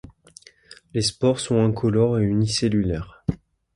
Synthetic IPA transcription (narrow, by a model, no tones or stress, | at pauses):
lespɔʁsɔ̃ɛ̃kʰɔlɔʁeyniselylɛʁ